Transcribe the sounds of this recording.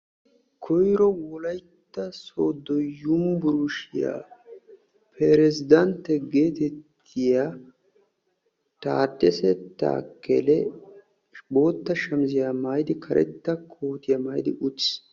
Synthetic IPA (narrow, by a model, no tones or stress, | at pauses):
kʰɔjɾɔwɔlɐjt̪ːɐsoːd̪ːɔjʊmbʊɾʊʃɪɪja̰ː | pʰɛɾɛzɪd̪ɐnt̪ːɛɡeːt̪ɛt̪ʰːɪja | t̪a̰ːd̪ʼːɛsɛt̪ːa̰ːkːɛ̰lɛ | bo̞ːt̪ːɐʃɐmzɪjaːmajd̪ɪkʰɐɾʔɛ̰t̪ːɐkʰoːt̪ɪjamɐːjd̪ɪʔʊtː